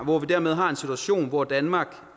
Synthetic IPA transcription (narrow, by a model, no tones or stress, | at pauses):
ʋɒʋid̥æɐ̰með̞ˠɦɑ̈e̝nsit͡sʰuæɕo̝̰ːnʋɒd̥ænmɑ̈ːɡ̥